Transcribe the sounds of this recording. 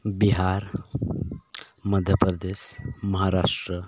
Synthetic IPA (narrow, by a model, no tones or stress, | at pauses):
biɦaɾ | məd̪ʱjəpɾəd̪eːsməɦaɾaʂʈɾə